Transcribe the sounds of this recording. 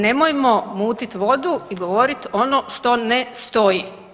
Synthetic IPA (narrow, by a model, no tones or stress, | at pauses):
ne̞mojemo̞muːt̪it̪ʋo̞d̪uiɡoʋoɾit̪o̞noʃt̪o̞nest̪o̞ji